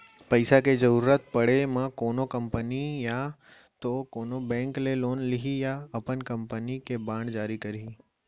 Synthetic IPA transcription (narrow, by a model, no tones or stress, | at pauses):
pɐɪsaked͡ʒəɾuɾət̪̚pɐɽemãkoːnokɐmpənija | t̪okoːnobɛ̃ːŋkleloːnlɪɦijaɐpənkɐmpənikebãːɳɖd͡ʒaːɾikɐɾi